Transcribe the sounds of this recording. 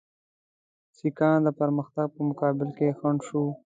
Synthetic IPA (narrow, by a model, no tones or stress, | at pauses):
sikɑːnd̪əpaɾməxt̪aɡ̚pəmʊkɑːbɪlkexaɳʃu